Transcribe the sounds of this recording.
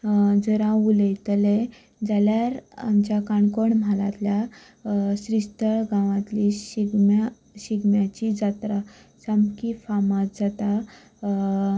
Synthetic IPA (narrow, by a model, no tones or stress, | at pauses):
d͡zəɾãuləjt̪əle | d͡zaljaɾa̰mt͡ɕakaɳkoɳm̤alãt̪lja | ɕɾist̪əɭɡãʋãt̪liɕiɡma | ɕiɡmjat͡ɕid͡zat̪ɾa | samkifamãt̪̚d͡zat̪a